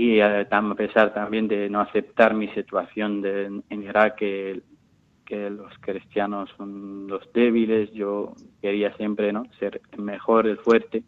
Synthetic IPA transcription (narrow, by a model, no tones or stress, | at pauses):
iat̪ape̞saɾt̪ambje̞nd̪enoaθe̞p̚t̪aɾmisit̪waθjo̞nd̪eeniɾake | kelo̞skɾist̪janosːonlo̞zd̪eβ̞ile̞sʝo̞ke̞ɾiasje̞mpɾenose̞ɾelmexo̞ɾelfwe̞ɾt̪e